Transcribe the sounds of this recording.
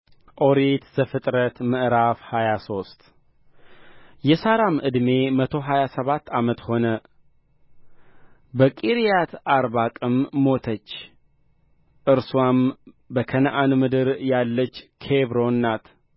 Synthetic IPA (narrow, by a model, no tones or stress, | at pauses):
ʔo̞ɾit̪zəfɨt̪ʼɾət̪mɨʔɾafhajaso̞st̪ | jɛsaɾamʔɨd̪me̞mət̪ʰo̞ɦajasəβat̪ːamət̪ho̞nə | bəkʼiɾijat̪ʔaɾβakʼɨmːo̞t̪ʰət͡ʃː | ʔɨɾswam | bəkʰənʔanmɨd̪ɨɾjalːət͡ʃːkʰeβɾo̞nːat̪